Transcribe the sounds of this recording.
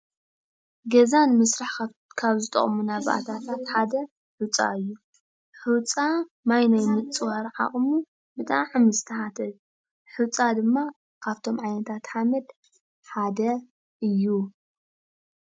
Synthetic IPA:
ɡɐzanmɨsɾaħ | kʰaβzɨt̪ʼɐ̰χʼmunaβʔa̰t̪ʰat̪ʰat̪ħad̪ɐ | ħut͡sʼa̰ɨjːu | ħɨwt͡sʼa | majnajmɨt͡sʼɨwaɾʕa̰χʼmu | bɨt̪ʼaʕɨmɨzɨt̪ʰɐħat̪ʰɐl | ħɨt͡sʼad̪ɨmːa | kʰaβt̪ʰo̞mʕajnɐt̪ʰat̪ħamɐd̪ | ħad̪ɐ | ɨjːu

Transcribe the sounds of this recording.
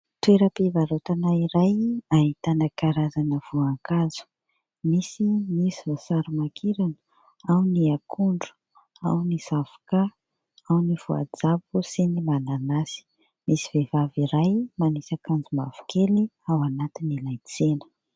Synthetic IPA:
t̪ueɾəpivaɾot̪anaiɾajaɦit̪anəkaɾazanəv̥uaŋkazu̥ | misimisivosaɾumakʰiɾanə̥ | awniakʰuɳɖ͡ʐu̥ | a̰wnisavu̥ka | awniv̥ua̰d͡zap̚usinimananasi̥ | misivevaviɾajmanisakand͡zumavu̥keliawanat̪inilajt͡senə̥

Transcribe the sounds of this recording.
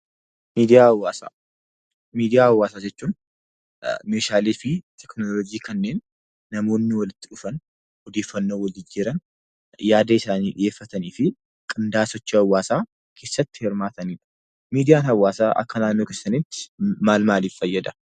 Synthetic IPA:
miːd̪ɪjaːɐwːaːsa̰ː | miːd̪ɪjaːɐwːaːsaːd͡ʒɛt͡ʃːuːn | meːʃaːleːfɪt̪ʰɛknolɔd͡ʒiːkɐnːe̞ːnː | ɐmo̞ːnːɪwɐlɪt̪ːɪᶑʊfɐn | ɔd̪e̞ːfːɐnːoːwɐld͡ʒɪd͡ʒɪɾɐn | jaːd̪ɐɪsaːniːᶑɪ̰jeːfːɐt̪ɐniːfɪ | kʼɪnd̪aːsɔt͡ʃːiɐwːaːsaː | kʰe̞ːsːɐt̪ːɪ̥hɪɾmaːt̪ɐniːᶑɐ̥ | miːd̪ɪjaːnhɐwːaːsaːʔɐ̰kːɐnaːnːoːkeːsːɐnɪt̪ːɪ̥maːlmaːliːfːɐjːɐd̪ɐ̥

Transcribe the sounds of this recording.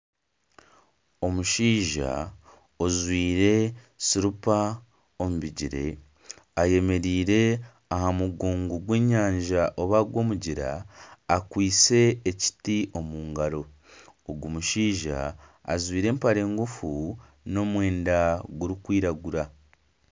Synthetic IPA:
o̞muʃiːʒa̰ | ozwiːɾe̞ | siɾupa | omuβiɟiɾe̞̰ | aje̞me̞ɾiːɾe̞ | aɦamuɡuːŋɡuɡwe̞ːɲaːɲʒaʔoβaɡwo̞ːmuɟiɾa̰ː | kwiːt͡se̞ːci̥tiʔo̞muːŋɡaɾo̞ː | ɡumuʃiːʒa̰ːzwiːɾe̞ːmpaɾe̞ːŋɡufu | no̞mwe̞ːndaɡuɾikwiːɾaɡuɾa

